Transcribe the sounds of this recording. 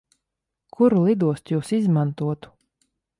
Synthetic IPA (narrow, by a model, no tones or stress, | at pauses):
kʰuɾulˠid̪uɔst̪juːsizmant̪uɔt̪u̥